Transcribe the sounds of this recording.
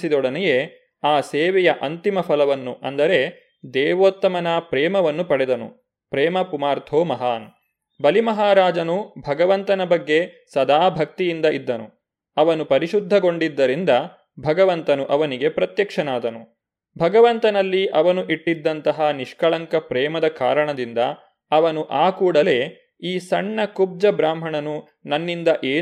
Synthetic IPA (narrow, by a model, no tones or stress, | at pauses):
sid̪ɔɽɐnɛjeː | aːseːʋɛjɐʔɐnt̪imɐpʰɐlɐʋɐnːuʔɐ̰nd̪ɐɾe̞ | d̪ɛːʋoːt̪ːɐmɐnaːpɾɛːmɐʋɐnːupɐɽɛd̪ɐnṵ | pɾɛːmɐpumaːɾt̪ʰoːmɐɦaːn | bɐlimɐɦaːɾaːd͡ʒɐnubʱɐɡɐʋɐnt̪ɐnɐbɐɡːe̞ | sɐd̪aːbʱɐk̚t̪ijind̪ɐʔid̪ːɐnṵ | ɐʋɐnupɐɾiʃud̪ʱːɐɡoɳɖid̪ːɐɾind̪ɐ | bʱɐɡɐʋɐnt̪ɐnuʔɐʋɐniɡe̞pɾɐt̪jɐkʂɐnaːd̪ɐnu | bʱɐɡɐʋɐnt̪ɐnɐlːiʔɐʋɐnuʔiʈːid̪ːɐnt̪ɐɦɐniʂkɐɭɐŋkɐpɾɛːmɐd̪ɐka̰ːɾɐɳɐd̪ind̪ɐ | ɐʋɐnuʔaːkuːɽɐle̞ː | iːsɐɳːɐkub̚d͡ʒɐbɾaːm̤ɦɐɳɐnu | nɐnːind̪ɐʔeː